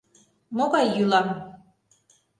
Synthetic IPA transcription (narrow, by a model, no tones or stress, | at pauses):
moɣɑjːylɑm